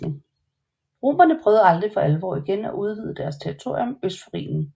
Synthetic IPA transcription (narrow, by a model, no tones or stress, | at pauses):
ʁo̝̰ːmɐnəpʰʁœːʊð̩ˠɑ̈ld̥ʁifɒ̽ʔælʋɒ̰ːiɡ̥enæ̰ʔuð̞ˠʋið̞ˠəd̥æɐst͡sʰeʁit͡sʰo̝ɐ̰jɔmøsd̥foʁḭːnn̩